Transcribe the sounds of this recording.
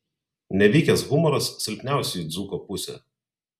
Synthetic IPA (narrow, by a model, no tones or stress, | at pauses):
nʲɛʋʲiːkʲɛsɣʊmɔɾɐsːʲɪɾʲpʲnʲæˑʊsʲɛid̪zuːkɔːpʊsʲɛ̰ˑ